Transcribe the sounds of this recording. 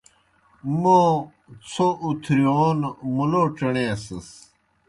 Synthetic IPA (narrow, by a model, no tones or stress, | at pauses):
mo | t͡sʰoʔut̪ʰɾioːnmuloʈ͡ʂɐɳeːsɐs